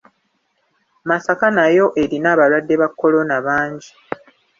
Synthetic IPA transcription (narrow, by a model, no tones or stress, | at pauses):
masakanajo̞ʔe̞ɾinaːβalwadːe̞βakʰːo̞lo̞naβaːɲɟi